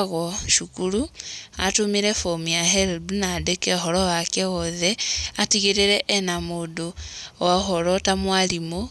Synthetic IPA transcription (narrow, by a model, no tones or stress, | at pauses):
ɣɔʃukuɾuatumiɾɛfomiaɦɛlbunadekɛɦɔɾɔwakɛɔðɛatiɣeɾeɾɛʔːnamodowaɦɔɾɔtamwalimo